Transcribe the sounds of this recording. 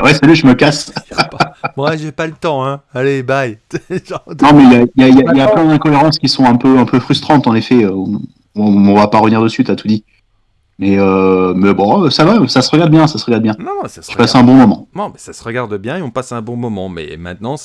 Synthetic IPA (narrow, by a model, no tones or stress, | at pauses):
wɛsalyʒəməkas | mwaʒepalət̪ɑ̃ɛ̃alebajʒnɔ̃mɛijailjaijailjaplɛ̃d̪ɛ̃kɔeʁɑ̃skʲisɔ̃ɛ̃pøɛ̃pøfχyst̪χɑ̃t̪ɑ̃nefɛøɔ̃ | ɔ̃ɔ̃vapaʁəvəniʁd̪əsyt̪yat̪ʰud̪i | mɛømɛbɔ̃øsavasasəʁəɡaʁd̪əbjɛ̃sasəʁəɡaʁd̪əbjɛ̃nsʃpasɛ̃bɔ̃mɔmɑ̰̃nɔ̃mɛsasəʁəɡaʁd̪əbjɛ̃eɔ̃pasɛ̃bɔ̃mɔmɑ̰̃mɛ̰mɛ̃t̪nɑ̃